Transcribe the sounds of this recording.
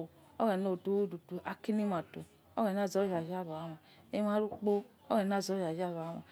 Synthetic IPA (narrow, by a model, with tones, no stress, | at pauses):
o̰˦ɣɛ˨no˨do˦wdu˨du˨ʔa˨ki˦ni˦ma˨to˨ | o˦ɡɛ˨n˦a˦˨zɔ˨˦ja˨d͡ʒa˦˨βa˨˦ma˨ | e˦ma˦ɾu˦k͡po˦ | o˦ɡɛ˨n˦a˦˨zɔ˨˦ja˨d͡ʒa˦˨βa˨˦ma˨